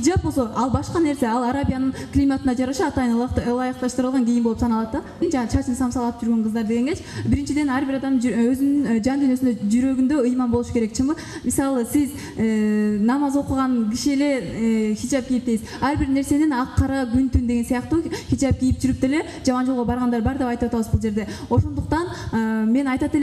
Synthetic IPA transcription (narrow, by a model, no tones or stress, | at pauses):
id͡ʒapbo̞lˠsoʔɑlˠbɑʃqɑne̞ɾse̞ɑlˠɑɾabʲijanɯɴklʲimat̪ɯnd̪ɑd͡ʒɑɾɑʃɑɑt̪ɑjɯnˠlˠɑjɨqt̪ɑʃt̪ɯɾɯlˠʁɑŋɡʲijinbo̞lˠupsɑnɑlˠɑt̪d̪ɑ | nd͡ʒɑt͡ʃʰɑt͡ʃʰɯnsɑmsɑlˠɑp̚d͡ʒyɾɡe̞ɴqʰəzd̪ɑɾd̪e̞ɡe̞ŋɡe̞t͡ʃbiɾint͡ʃid̪e̞næɾbiɾɑd̪ɑmøzynynd͡ʒɑnd̪yinø̞synd̪ød͡ʒyɾø̞ɡynd̪ø̞ɯjmɑnbolˠuʃu̥keɾe̞k̚t͡ʃʰɨmbɯ | misɑlˠɯsiz | nɑmɑzo̞quʁɑnɡiʃie̞le̞xid͡ʒɑp̚ɡʲijip̪̚eizɑɾbiɾne̞ɾse̞ninɑqʰːɑɾɑɡynt̪ynd̪e̞ɡe̞nsijɑqt̪uːxid͡ʒap̚ɡʲijip̚d͡ʒyɾyp̚d̪e̞le̞ | d͡ʒɑmɑnd͡ʒolˠʁobɑɾʁɑnd̪ɑɾbɑɾd̪e̞pɑjt̪ɯwɑt̪ɑwɯzbulˠd͡ʒe̞ɾd̪e̞o̞ʃo̞nd̪uqt̪ɑnəme̞nɑjt̪ɑt̪e̞l